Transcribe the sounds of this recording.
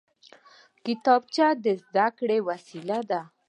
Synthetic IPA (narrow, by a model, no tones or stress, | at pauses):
kɪt̪ɑb̚t͡ʃad̪əzd̪akɽewasilad̪a